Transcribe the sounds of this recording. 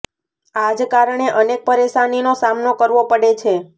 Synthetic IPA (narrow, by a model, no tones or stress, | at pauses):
ad͡ʒkaɾɳeʔənek̚pəɾeʃaninosamnokəɾʋopəɽet͡ʃʰe